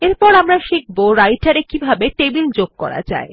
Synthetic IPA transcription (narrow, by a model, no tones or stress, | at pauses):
eɾpɔɾamɾaʃik̚boɾajʈaɾekibʱabeʈebild͡ʑoɡ̚kɔ̰ɾa̰d͡ʑa̰e